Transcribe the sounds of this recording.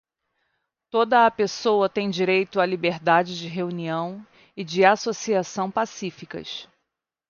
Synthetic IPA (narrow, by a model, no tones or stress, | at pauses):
t̪od̪ɐːpesowɐt̪ẽj̃d͡ʒiɾejt̪ʊalibeɾd̪ad͡ʒɪd͡ʒɪɦeuniɐ̃w̃ | ɪd͡ʒɪasosiasɐ̃w̃pasifikɐ̰s